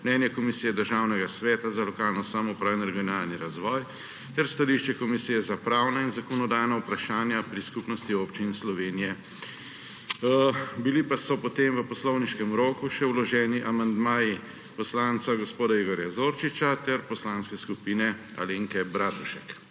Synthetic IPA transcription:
mnɛːnjɛkɔmisiːjɛd̪əɾʒaːwnɛɡasʋɛːt̪azalɔkaːlnɔsamɔpɾawɛnɾɛɡijɔnaːlniɾazʋɔj | t̪ɛɾst̪aliʃt͡ʃɛkɔmisijɛzapɾaːwnainzakɔnɔd̪ajnaupɾaʃaːnjapɾiskupnɔst̪ioːpt͡ʃinslɔʋeːnijɛ | bilipasɔpɔt̪emʋəpɔslɔwniʃkɛmɾoːkuʃɛwlɔʒɛːniʔamand̪maːji | pɔslant̪saɡɔspoːd̪aiɡɔɾjazoːɾt͡ʃit͡ʃat̪ɛɾpɔslaːnskɛskupiːnɛ | a̰leːŋkɛbɾaːt̪uʃɛk

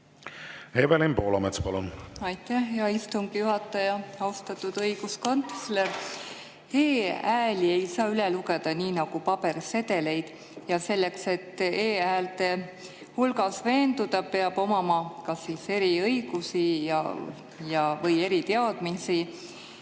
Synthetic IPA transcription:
hevelempoːlɑ̰met̪spɑlunɑjt̪ːˑæhjɑist̪umkijuɦɑt̪ˑːɑjɑɑwst̪ɑt̪ːˑud̪ɤijɡ̥usko̞nt̪sle̞ɾ | eːæːlie̞jsɑːyleluɡe̞d̪̥ɑniːnɑɡ̥upɑb̥e̞rse̞d̪e̞le̞jd̪̥ | jɑse̞lːe̞kse̞t̪ːeːæːlt̪e | hulɡɑsve̞ːnd̪ud̪̥ɑpe̞ɑb̥o̞mɑmɑkɑsiːse̞ɾiɤjɡ̥usijɑ̰ | jɑvɤje̞ɾit̪eɑd̪̥misi

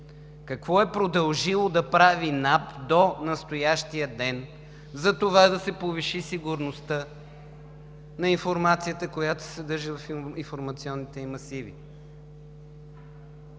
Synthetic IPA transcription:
kɐkvɔɛpɾod̪ɐlˠʒilˠod̪ɐpɾavinapd̪onɐst̪ojaʃt̪ijəd̪ɛn | zɐt̪ovad̪ɐsɛpoviʃisiɡʊɾnost̪ə | nɐinfoɾmat̪sijət̪əkojat̪o̥sɛd̪ɤɾʒivɐfinfoɾmɐt̪siɔnːit̪ɛimɐsivḭ

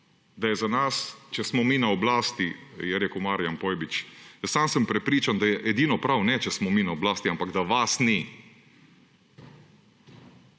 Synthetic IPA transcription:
d̪ajɛzanast͡ʃɛsmɔmiːnaɔblaːst̪ijɛɾeːkəwmaɾijanpɔːjbit͡ʃjəsamsəmpɾɛpɾiːt͡ʃand̪ajɛʔɛd̪iːnɔpɾawnɛt͡ʃɛsmɔminaɔblaːst̪iampaɡd̪aʋasni

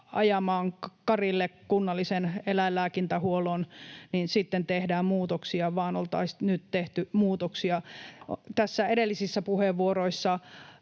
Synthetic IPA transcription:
ɑ̰jɑmɑːŋkɑrilːekkunːɑlːisenelæilːæːkint̪æhuolonninsit̪ːent̪ehdæːmmuːt̪oksiɑʋɑːnolt̪ɑ̰isnyt̪t̪eht̪ymuːt̪oksiɑ | t̪æsːæeɾelːisisːæpuheʋʋːuoroisːɑ

